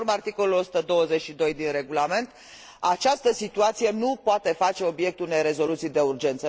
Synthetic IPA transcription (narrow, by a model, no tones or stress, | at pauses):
ɾmart̪iko̞lulo̞su̥t̪əd̪o̞wəze̞t͡ʃʃid̪o̞jd̪inre̞ɡulame̞nt̪ | at͡ʃast̪əsit̪uat̪sije̞nupoat̪e̞fat͡ʃe̞o̞bje̞k̚t̪une̞jɾe̞zo̞lut̪sijd̪e̞urd͡ʒe̞nt̪sə